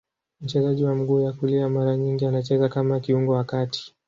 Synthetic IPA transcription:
m̩t͡ʃɛzaʄiwam̩ɡuːjakuliamaɾaɲiŋɡianat͡ʃɛzakamakiuŋɡɔwakati̥

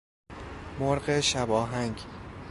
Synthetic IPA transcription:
moɾɢeʃæbɒːɦæŋɡ

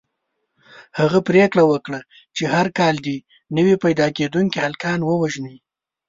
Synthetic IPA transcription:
haɣapɾekɽawəkɽa | t͡ʃehaɾkɑld̪i | nəwipajd̪ɑked̪uŋkihalkɑnwəwaʒni

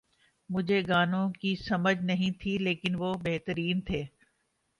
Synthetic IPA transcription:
mʊd͡ʒʱeɡaːnõkisɐməd͡ʑʱnɐɦĩt̪ʰileːkɪnʋoːbeɦt̪əɾiːnt̪ʰeː

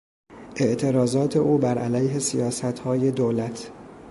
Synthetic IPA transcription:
ʔe̞ʔt̪ʰe̞ɾɒːzɒːt̪ʰe̞ʔuːbæɾʔælæjɦe̞sijɒːsæt̪hɒːje̞d̪olæt̪ʰ

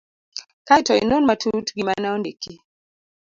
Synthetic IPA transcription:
kajtɔḭnonmatʰutɡimanaɔndeki

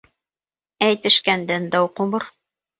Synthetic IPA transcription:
æjt̪ɘ̆ʃkænd̪ænd̪ɑwqomɤɾ

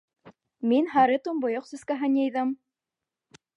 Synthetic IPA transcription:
minɦɑɾɘt̪umbŏjoqsɵ̆skæɦɘnjɘ̆jðɤm

